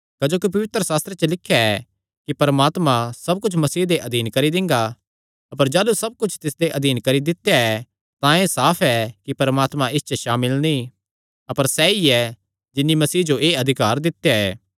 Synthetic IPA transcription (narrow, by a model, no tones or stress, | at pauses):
kɐd͡ʒoːkip̬ɐʋɪt̪ɾəsaːst̪ɾet͡ʃəlɪkʰːjaɛ | kipɐɾmaːt̪mãsɐb̚kʊt͡ʃʰmɐsiːd̪eʔɐd̪iːnkɐɾid̪ɪ̃ŋ̆ɡa | ɐpəɾd͡ʒaːlusɐb̚kʊt͡ʃʰt̪ɪsd̪eʔɐd̪ʱiːnkɐɾid̪ɪt̪ejaɛ | t̪ãẽsaːpʰɛkipɐɾmaːt̪mãʔɪst͡ʃəʃaːmɪlnĩ | ɐpəɾsɛːiɛ | d͡ʒɪnːimɐsiːd͡ʒoʔeːɐd̪ʱɪkaːɾd̪ɪt̪ːjaɛ̰ː